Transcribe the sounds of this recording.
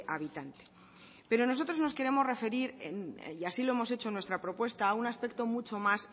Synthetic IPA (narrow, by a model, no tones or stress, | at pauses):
aβit̪ant̪e | pe̞ɾo̞no̞so̞t̪ɾo̞zno̞ske̞ɾe̞mo̞zre̞fe̞ɾiɾen̰iasiloemo̞se̞t͡ʃo̞nwest̪ɾapɾo̞pwe̞st̪aːunaspe̞k̚t̪o̞mut͡ʃo̞mas